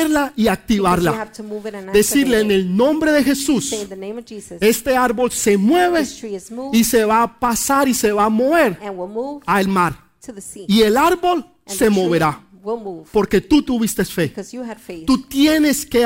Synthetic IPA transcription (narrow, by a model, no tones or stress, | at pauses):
eɾlaʔiak̚t̪iβaɾlavd̪e̞siɾleːnelnõ̞mbɾe̞ðexe̞susie̞st̪e̞aɾβo̞lse̞mwe̞βeiseβapasaɾise̞βaːmo̞βe̞ɾ | aelmaɾʰ | ðielaɾbo̞l | se̞mo̞βe̞ɾa | wpo̞ɾke̞t̪ut̪uβist̪esfe | t̪ut̪je̞ne̞ske